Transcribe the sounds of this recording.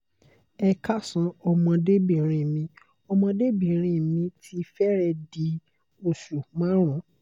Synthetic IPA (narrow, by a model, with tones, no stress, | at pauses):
ɛ˧ka˦sã˧˦ɔ˧mɔ̃˧de˦bĩ˦˨ɾ̃ĩ˧˨mĩ˧ | ɔ˧mɔ̃˧de˦bĩ˨ɾ̃ĩ˧˨mĩ˧tʰi˧fɛ˦ɾɛ˧di˧˦ | o˨ʃu˨mãː˦ɾ̃ɔ̃˨˦